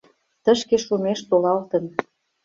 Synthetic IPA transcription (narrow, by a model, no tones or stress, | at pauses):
t̪ə̆ʃkeʃumeʃt̪olɑlt̪ə̆n